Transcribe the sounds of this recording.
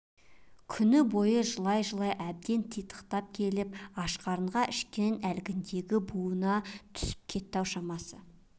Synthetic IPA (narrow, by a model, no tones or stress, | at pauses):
kʲʰʏnɪbo̞jəʒəlˠɑjʒəlˠɑjʔæb̚d̪e̞nt̪ʰijt̪ə̥qt̪ɑp̚kʲʰe̞lɪp̚ɑʃqɑɾəɴʁɑʔɪʃkʲe̞nælɡʲɪnd̪e̞ɡʲɪbuənɑt̪ʰʏ̥sɪ̥p̚kʲʰe̞t̪ːɑwʃɑmɑsə